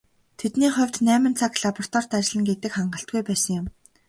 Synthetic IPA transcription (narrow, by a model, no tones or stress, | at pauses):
t̪ʰet̪niːχʊ̟wʲt̪næːmə̆nt͡sʰakɮapɔr̥t̪ʰɔr̥t̪at͡ɕɪ̆ɮə̆ŋɡet̪ɘ̆kχaɴɢə̆ɬt̪̚ɡujpæːsə̆ŋjʊm